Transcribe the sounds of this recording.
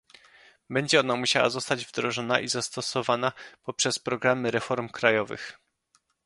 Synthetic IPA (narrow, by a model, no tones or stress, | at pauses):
bɛɲd͡ʑɛɔnamuɕawa̰zɔst̪ad͡ʑvd̪ɾɔʐɔna̰ʔizast̪ɔsɔvanapɔpʂɛspɾɔɡɾamɘɾɛfɔɾmkɾajɔvɘ̰x